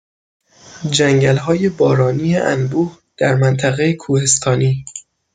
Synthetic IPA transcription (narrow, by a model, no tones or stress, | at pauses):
d͡ʒæŋɟælɦɒːje̞bɒːɾɒːniːeʔæ̰nbuːh | d̪̥æɾmænt̪ʰæɣejekʰuːhest̪ʰɒːniː